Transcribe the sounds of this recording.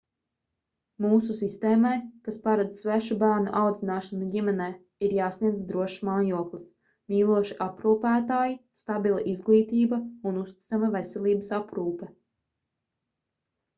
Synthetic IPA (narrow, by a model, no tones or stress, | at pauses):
muːsusist̪eːmajkaspaɾad̪zsvæʃubæːɾnṵʔawd̪zinaːʃanuɟimɛnɛː | iɾjaːsniɛzd̪ɾuɔʃmaːjuɔklˠis | miːlˠuɔʃiʔapɾuːpæːt̪aːjist̪abilˠaʔizɡlˠiːt̪iːbɐunust̪i̥t̪samavesɛlʲˠiːbəsapɾuːpɛ